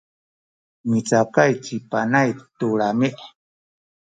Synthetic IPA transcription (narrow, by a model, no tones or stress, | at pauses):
mit͡sakajt͡ʃipanajt̪uɺamɪʔ